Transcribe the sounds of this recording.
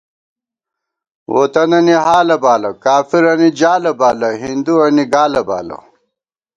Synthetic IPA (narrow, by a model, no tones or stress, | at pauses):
wo̰t̪ɐnɐniɦaːlɐbaːlɐkaːfiɾɐnid͡ʑaːlɐbaːlɐɦind̪uɐniɡaːlɐba̰ːlɐ̰